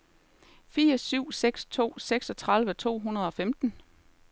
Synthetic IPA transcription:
fiːɐsyʊ̰seɡ̥st͡sʰo̝̰ːseɡ̥sɒ̽t͡sʰʁɑ̈lʋət͡sʰo̝̰ːɦunɐð̞ˠɒ̽femd̥n̩

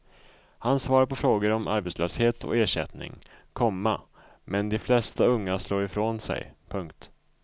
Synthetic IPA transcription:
hansvɑːɾpɔfɾoːɡəɾɔmʔa̰ɾbet̪sløːsheːt̪ʰɔ̰eːʂɛ̰t̪nɪ̰ŋkʰɔmːa | mɛnd̪ɛflɛst̪aɵŋːaʂloːɾɪfɾoːnsɛ̰jpʰɵŋkt̪

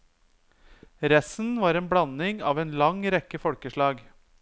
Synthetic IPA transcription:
ɾɛsn̩ʋɑːɾeːnbɽɑnɪŋɑ̰ːʋeːnlɑŋɾɛkːəfɔɽkəʂɭɑːɡ

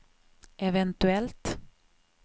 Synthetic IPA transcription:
ʔɛvɛnt̪ʉɛlt̪

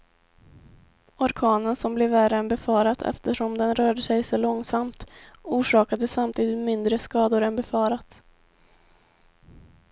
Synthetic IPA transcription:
ɔɾkʰɑːnənsɔmblɛvːæɾəɛnbɛfɑːɾat̪ʰɛ̰ft̪əʂɔmd̪ɛnɾœːɖəsɛjsɔlɔŋsamt̪uːʂɑːkad̪əsamt̪ʰiːd̪ɪt̪mɪnd̪ɾəskɑːd̪ʊɾɛnbɛfɑːɾat̪

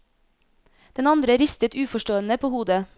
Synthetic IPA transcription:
d̪̥ɛnɑnd̪ɾəɾɪst̪ət̪ʉːfɔʃʈoːənəpʰoːhuːd̪ə

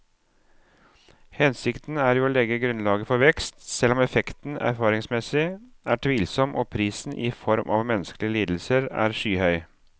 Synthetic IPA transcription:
hɛnsɪkt̪n̩æːɾjuːoːlɛɡəɡɾʉnlɑːɡəfɔɾʋɛkst̪sɛlːɔmɛfɛkt̪n̩æ̰ɾfɑːɾɪŋsmɛsɪ | æːʈʰʋiːlsɔmʔoːpʰɾiːsn̩ʔɪfɔɾmʔɑ̰ʋmɛnːəskəlɪəliːd̪l̩səɾæ̰ːɾʂyːhœʏ

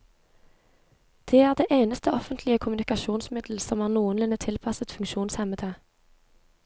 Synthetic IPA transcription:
d̪̥eːæːʁd̪eːʔeɪnəst̪əɔfənt̪lɪəkʰʊmʉnɪkɑʃuːnsmɪd̪l̩sɔmhɑːʁnuːənlʉnət̪ʰɪlpʰɑsət̪fʉŋkʃuːnshɛmət̪ʰə

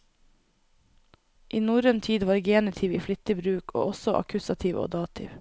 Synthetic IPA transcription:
ʔiːnuːɾənt̪ʰiːd̪ʋɑːɾɡeːnɪt̪ʰɪːʋiːflʏt̪əbɾʉːkʰo̰ːʔɔsɔʔɑ̰kʰʉsɑt̪ʰiʋo̰ːd̪ɑːt̪ʰɪ̰ʋ

